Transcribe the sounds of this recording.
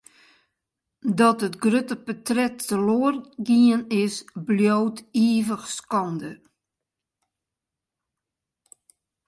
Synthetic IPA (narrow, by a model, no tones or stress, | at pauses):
dɔtətɡrøtəpətrɛtːəloərɡiənɪsbljowtiəvəxskɔndə